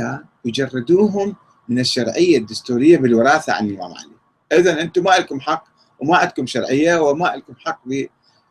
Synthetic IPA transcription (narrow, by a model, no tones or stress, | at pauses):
awd͡ʒɑrˤːɑd̪uːɦʊmː | ɪnɪʃːɑɾˤʕɪjːad̪ːʊst̪uːɾɪjːabɪlwɑɾˤɑːθaʕa̰nɪwa̰mʕa̰ni | ʔɪðɑnʔɪnt̪umaʔɪlkʊmħɑqː | wmaʕad̪̚kʊmʃɑɾˤʕɪjːawɪmaʔalkʊmħɑqːbi